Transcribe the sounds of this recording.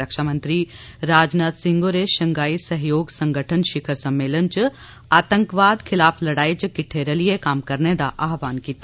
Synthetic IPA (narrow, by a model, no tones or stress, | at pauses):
əkʃaːmə̃nt̪ɾiɾaːd͡ʒnaːt̪sɪ̃ŋɡoɾeʃɐŋɡaːisɐɦjoːɡsɐ̃ŋɡʱəʈʰənʃɪkʰəɾsɐmːeːlənt͡ʃu | aːt̪ə̃ŋkʋaːd̪kʰɪlaːpʰlɐɽaːit͡ʃkɪʈʰːeːɾɐlijekaːmkɐɾned̪aʔaːɦʋaːnkiːt̪ː